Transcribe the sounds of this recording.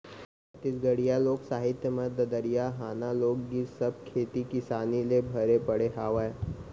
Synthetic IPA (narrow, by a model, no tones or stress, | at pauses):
t̪ɪsɡəɽijaloːɡsaːɦɪt̪jəmə̃d̪əd̪əɾijaɦaːnaloːɡːisɐb̚kʰeːt̪ikɪsaːnilebʱɐɾepɐɽeɦaːʋəe